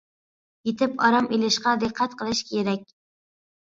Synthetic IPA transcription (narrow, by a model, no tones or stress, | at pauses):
jet̪ʰɪpɑɾɑmʔilɪʃqɑd̪ɨqʰːɑt̪̚qʰəlˠɪʃkʲʰeɾæk̚ʲ